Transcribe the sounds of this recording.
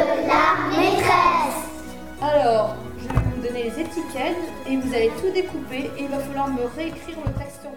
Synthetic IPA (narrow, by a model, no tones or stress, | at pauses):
lamet̪χɛs | alɔːʁ | ʒəvɛvud̪ɔnelezet̪ikʲɛd̪ | evuzalet̪ud̪ekupeʔilvafalwaʁməʁeekχiʁvɔt̪ɛkst̪